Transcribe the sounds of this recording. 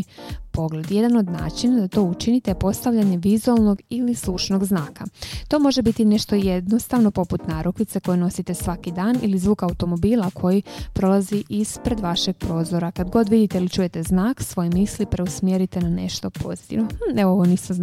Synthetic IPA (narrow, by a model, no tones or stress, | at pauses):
po̞ɡle̞d̪je̞d̪ano̞d̪na̰ːt͡ʃinad̪at̪o̞ːut͡ʃinit̪epo̞st̪aʋʎaɲe̞ʋizualˠno̞ɡilislˠut͡ʃno̞ɡznaːkat̪o̞ːmo̞ʒe̞bit̪ine̞ʃt̪o̞je̞d̪no̞st̪aʋno̞po̞put̪naːɾupit̪se̞ko̞jeno̞sit̪e̞sʋakid̪aːnḭlizʋuːkaut̪o̞mo̞biːlˠakʰo̞jipɾo̞lˠaziʔispɾe̞d̪ʋaʃe̞ɡ̥̚pɾo̞ːzo̞ɾakad̪ɡo̞d̪ʋid̪it̪eilit͡ʃuːje̞t̪e̞znaːksʋo̞jmislipɾe̞usmjeɾit̪e̞nane̞ʃt̪o̞pʰo̞̰zi̥t̪ḭʋnoeooʋoniːsma